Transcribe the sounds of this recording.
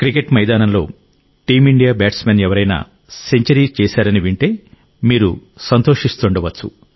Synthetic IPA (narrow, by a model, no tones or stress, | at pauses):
kɾike̞ʈmɐjd̪aːnɐmlo̞ː | ʈiːmiɳɖijaːbaːʈsmenɛʋɐɾɐjna̰ː | se̞ɲt͡ʃɐɾiːt͡ʃɛːsaːɾɐniʋiɳʈe̞ː | miːɾu | sɐnt̪o̞ːʂist̪uɳɖɐʋɐt͡ʃːṵ